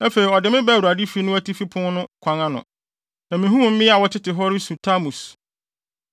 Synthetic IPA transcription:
æ˦fe˨ɾi˨ɔ˨dɪ˨mɪ̃˦bæ˦˨wu˨ɾa˨di˦fi˦nʊ̃˦æ˦ti˦fi˦pʰʊ̃˦n˦nʊ̃˦kʷʰã˨˦ŋã˦nʊ̰̃˨ | nã˨mĩ˨ɦũ˦m̃˨m̩˦mɪ̃˦a˨wɔ˦tʰɪ˦tɪ˨ɦɔ˦ɾɪ˦su˨tʰa˦mũ˨s

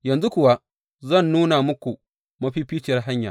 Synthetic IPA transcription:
jɐ˨nzu˦kʷʊ˨wa˦ | zɐ˦˨nːuː˦na˨mʊ˦kʷu˨ | mɐ˦ɸiː˦ɸiː˦t͡ʃɪ˨jɐ˦rɦa˦ɲja̰ː˨

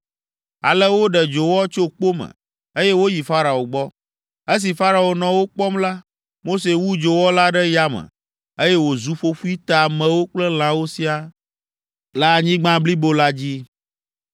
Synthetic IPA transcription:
a̰˨lə˦wo˦ɖɛ˨d͡ʒo˨wɔ˦t͡ʃo˦k͡po˦mə̰̃˨ | e˦jɛ˦wo˦ji˨fa˦ɾa˨o˨ɡ͡bɔ˦ | e˦s̬i˨fa˦ɾa˨o˨nɔ̃˨wo˦k͡pɔ˦mla˦ | mo˦se˨wu˦d͡ʒo˨wɔ˦la˦ɖɛ˦ja˦mə̰̃˨ | e˦jɛ˦wo˨zu˨ɸo˦fu˦i˦t̪a˨mɛ̃˨wo˦k͡plɛ˦l̃ã˦wo˦si˦a˨ | la˦˨ɲĩ˦ɡ͡bã˦bli˦bo˦la˦d͡ʑi˦

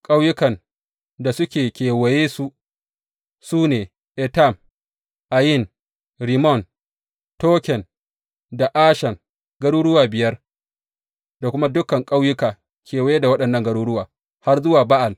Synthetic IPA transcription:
kʼa˦wjʊ˦kɐ˨n | da˨sʊ˦kʲeː˨kʲeː˨wɐ˨jeː˦su˦ʔ | suː˦neː˨ | ʔɛ˨ta˦˨m | ʔa˨jɪ˦˨n | ɾi˨mɔ˦˨n | toː˦kʲɛ˨n | da˨ʔaː˦ʃɐ˨ŋ | ɡɐ˦ɽuː˦ɽʊ˦waː˨bɪ˨jɐ˦r | da˨kʷʊ˦ma˦dʊ˦kɐ˨ŋkʼa˦wjʊ˦kaː˨ | kʲeː˨wɐ˨jeː˦da˨wɐ˦ɗɐ˨nːɐ˦ŋɡɐ˦ɽuː˦ɽʊ˦waː˨ | ha˦rzʊ˦waː˨ba˦ʔa˨l

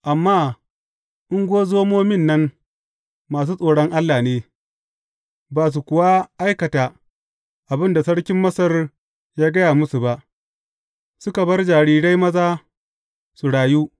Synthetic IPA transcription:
ʔa˨mːaː˦ | ʔɪ˦ŋɡʷoː˦zoː˦moː˦mɪ˦˨nːɐ˦n | maː˨s̬uː˦sʼoː˨ɽɔ˦ŋʔa˦lːaː˨neː˦ | baː˨s̬u˨kʷʊ˨wa˦ʔa˦jkɐ˨taː˨ | ʔa˨bɪ˦nda˨sɐ˦ɽkʲɪ˦mːɐ˦sɐ˦r | jaː˦ɡɐ˦jaː˨mʊ˦su˨ba˨ʔ | sʊ˦ka˨bɐ˦rd͡ʒaː˨ɽiː˨ɽa˦jmɐ˦zaː˦ | su˨ɽaː˨juː˦

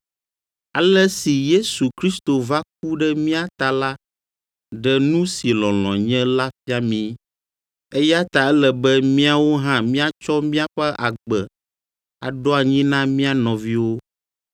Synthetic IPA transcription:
a˨lɛ˦si˨je˦su˨kɾi˦st̪o˨va˦k̚u˦ɖɛ˦mĩ˦a˨t̪a˨la˦ | ɖɛ˦nũ˦si˨lɔ̃˨l̃ɔ̰̃˨ɲɛ̃˦la˦fi˦a˦mĩ˦ | e˦ja˦t̪a˨ɛ˦lɛ˨bɛ˦mĩ˦a˨wo˦ɦã˦mĩ˦a˦t͡ʃɔ˦mĩ˦a˦ɸɛ˦ʔa˨ɡ͡bɛ˨ | a̰˨ɖɔ˦a˨ɲĩ˦nã˦mĩ˦a˨nɔ̃˨vi˦wo˦

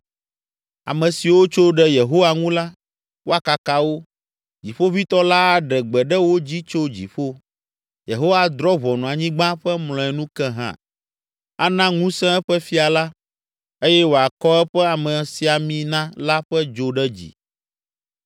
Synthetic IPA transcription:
a̰˨mɛ̃˨si˨wo˦t͡ʃo˦ɖɛ˦je˨ɦo˦wa˦ŋũ˦la˦ | wʔo˦a˨ka˨ka˨wo˦ | d͡ʑi˨ɸo˦vi˦t̪ɔ˦la˦a˨ɖɛ˨ɡ͡bɛ˨ɖɛ˦wo˦d͡ʑi˦t͡ʃo˦d͡ʑḭ˨ɸo˦ | je˨ɦo˦wa˦d̪ɾɔ˦βɔ˨nɔ̃˨a˨ɲĩ˦ɡ͡bã˦ɸɛ˦mlɔ̃˨ɛ˨nũ˦kɛ̃˦ɦã̰˦˨ | a˦nã˦ŋũ˦sɛ̃˦ɛ˦ɸɛ˦fi˦a˨la˦ | e˦jɛ˦wo˨a˨kɔ˦ɛ˦ɸɛ˦a˨mɛ̃˨si˨a˨mĩ˦nã˦la˦ɸɛ˦d͡ʒo˦ɖɛ˦d͡ʑḭ˨

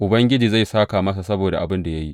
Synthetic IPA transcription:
ʔʊ˨bɐ˦ŋɡʲɪ˦d͡ʒiː˨za˦˨jsaː˦kaː˨mɐ˦s̬a˨sɐ˦boː˨da˨ʔa̰˨bɪ˦nda˨ja˦ji˦ʔ

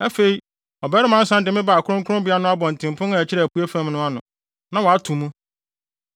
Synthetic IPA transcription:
æ˦fe˨i˨ | ɔ˨bɛ˦ɾɪ˦mã˦n̩˦sã˦n˦dɪ˨mɪ̃˦ba˨kʰʊ˦ɾʊ̃˦ŋkʰʊ˦ɾʊ̃˦bɪ˦a˦nʊ̃˦a˦bɔ̃˨n̩˨tʰɪ̃˨m˨pʰʊ̃˦na˨ɛ˨t͡ɕʰɪ˦ɾɛ˨æ˨pu˦e˦fæ̃˦mnʊ̃˦a˦nʊ̃˨ | nã˨wɔ˨a˦tʰũ˨mũ˦

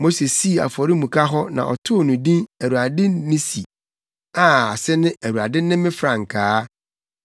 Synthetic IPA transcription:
mo˦se˨si˦˨a̰˨fɔ˨ɾi˦mũ˨kʰa˦ɦɔ˦nã̰˨ʔɔ̰˨tʰʊ˦˨nũ˨dĩ˦æ˨ɾu˨a˨dɪ˦nɪ̃˦si˨ | a˨a˨sɪ˦nɪ̃˦ʔæ˨ɾu˨a˨dɪ̃˦nɪ̃˦mɪ̃˦fɾã˨ŋ˨kʰaː˨˦

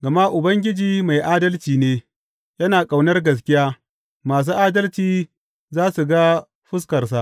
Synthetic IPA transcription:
ɡɐ˨ma˦ʔʊ˨bɐ˦ŋɡʲɪ˦d͡ʒiː˨ma˨jʔaː˦dɐ˦lt͡ʃiː˨neː˦ | jɐ˦naː˨kʼa˨wnɐ˦rɡɐ˨s̬kʲɪ˦jaː˦ | maː˨s̬uː˦ʔaː˦dɐ˦lt͡ʃiː˨ | zaː˦su˨ɡa˦ | ɸʊ˦s̬kɐ˨rs̬a˦ʔ

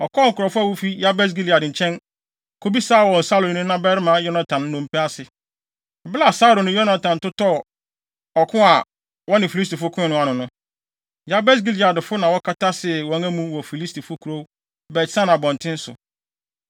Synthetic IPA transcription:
ɔ˨kʰɔ˦ŋ̩˨kʊ˨ɾɔ˨fʊ˦a˦˨wo˦fi˦ja˦bɛ˦s̬ɡi˦li˨a˨dɪ˨t͡ɕʰɛ̃˦n | kʰo˦bi˦saː˦˨wɔ̃˨n̩˨sa˦lo˨˦nʊ̃˦nã˦bɛ˦ɾɪ˦mã˨˦jɔ˦na˨tʰã˨n˦nʊ̃˦m̩˦pɛ˦a˦sɪ˨ | ɔ˨bla˦˨sa˦ɾo˨nʊ̃˦jɔ˦na˨tʰã˨n˨tʊ˦tʰɔ˦˨ | ɔ˨kʰʊ̃˦a˨ | wɔ˦nɪ̃˨fi˨li˦s̬ti˨fʊ˦kʰʊ̃˦ɪ̃˦nʊ̃˦a˨nʊ̃˨nʊ̃˦ | ja˦bɛ˦s̬ɡi˦li˨a˨dɪ˨fʊ˦nã˨wɔ˦kʰa˦tʰa˦sɪ˨wɔ̃˨˦æ̃˦mũ˦wɔ˨fi˨li˦sti˨fʊ˦kʰu˨ɾo˦ | bɛ˨˦sã˦n˨ã˨bɔ̃˨n˨tʰɪ̃˦n̩˦sʊ̰˨

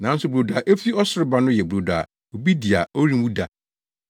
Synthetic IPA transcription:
nã˨˦n̩˦sʊ˨bɾo˨da˨ʔe˦fi˦ɔ˦sʊ˦ɾɪ˦ba˨nʊ̃˦jɛ˨bu˨ɾo˨da̰˨ | o˨bi˦di˨a̰˨o˦ɾĩ˦mwũ˦da˨

